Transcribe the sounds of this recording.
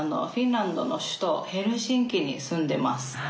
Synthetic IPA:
no̞̰ɸʲĩnɾãnd̪o̞no̞ɕɨ̥t̪o̞he̞ɾɯ̟ɕĩŋkʲiɲ̟isɨ̃nd̪e̞masɨ̥

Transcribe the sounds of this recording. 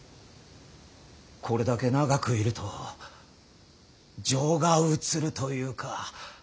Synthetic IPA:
kʰo̞ɾe̞d̪ake̞naɡakɯ̟iɾɯ̟t̪ʰo̞ | d͡ʑo̞ːɡaɯ̟t͡sɨɾɯ̟t̪o̞jɯ̟ːkʰa

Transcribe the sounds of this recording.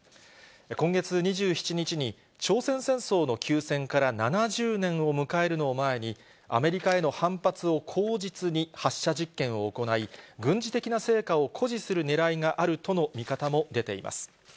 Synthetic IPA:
ekõ̞ŋɡe̞t͡sɨɲ̟iʑɨːçi̥t͡ɕiɲ̟it͡ɕiɲ̟i | t͡ɕo̞ːsẽ̞ɰ̃sẽ̞ɰ̃so̞ːno̞kʲʰɨːsẽ̞ŋkaɾananaʑɨːnẽ̞ɰ̃o̞mɯ̟kae̞ɾɯ̟no̞ːmae̞ɲ̟i | a̰me̞ɾʲikae̞no̞hãmpat͡sɨo̞kʰo̞ːd͡ʑit͡sɨɲ̟ihaɕːaʑikːẽ̞ɰ̃oːko̞naiɡɯ̟̃ɲ̟d͡ʑit̪e̞kʲinase̞ːkao̞kʰo̞ʑisɨɾɯ̟ne̞ɾaiŋaʔaɾɯ̟t̪o̞no̞mʲikat̪amo̞d̪e̞t̪e̞̰ḭmʔa̰sɨ̥

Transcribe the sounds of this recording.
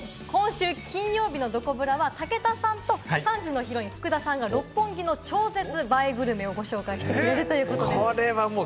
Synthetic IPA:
kõ̞ɰ̃ɕɨːkʲʰĩɰ̃jo̞ːbʲino̞d̪o̞ko̞bɯ̟ɾaβat̪ake̞t̪asãnt̪o̞sãɲd͡ʑino̞çiɾo̞ɲ̟iɸɯ̥kɯ̟d̪asãŋɡaɾo̞pːõ̞ŋɡʲino̞t͡ɕo̞ːze̞t͡sɨbaibɯ̟ɾɯ̟me̞o̞ɡo̞ɕo̞ːkaiɕi̥t̪ekɾeɾɯ̟t̪o̞jɯ̟ːkot̪odeoɾe̞βamo

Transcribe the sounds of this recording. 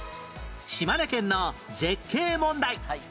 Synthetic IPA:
ɕimanekẽ̞nːoze̞kʰːe̞ːmõ̞nd̪ai

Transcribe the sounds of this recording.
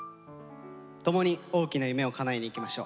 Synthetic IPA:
t̪o̞mo̞ɲ̟io̞ːkʲinajɯ̟me̞o̞kanaiɲ̟iːkʲimaɕo̞̰ː

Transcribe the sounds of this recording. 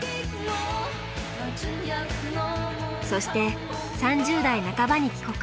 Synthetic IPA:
so̞ɕi̥t̪e̞ | sãɲd͡ʑɨːd̪ainakabaɲ̟ikʲi̥ko̞k

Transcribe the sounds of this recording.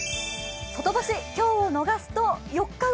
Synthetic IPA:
sot̪o̞baɕikʲo̞ːono̞ɡasɨ̥t̪o̞jo̞kːa

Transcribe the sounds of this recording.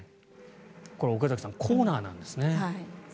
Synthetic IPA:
ko̞ɾeokazaki̥sãŋkʰoːnaːnã̰nd̪e̞sɨne̞hai

